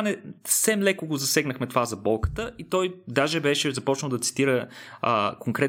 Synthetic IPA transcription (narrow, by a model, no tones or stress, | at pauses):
anɛssɛmlɛkoɡozɐsɛɡnəxmɛt̪ovazɐbɔlˠkə̥t̪əʔit̪ɔjd̪aʒɛbɛʃɛzɐpɔt͡ʃnəlˠd̪ɐt̪si̥t̪iɾəəkoŋkɾɛt̪